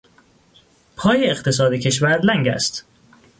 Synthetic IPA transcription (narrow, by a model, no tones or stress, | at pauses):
pʰɒːjeːχt̪ʰe̞s̬ɒːd̪ecʰe̞ʃvæɾlæŋɟæ̰st̪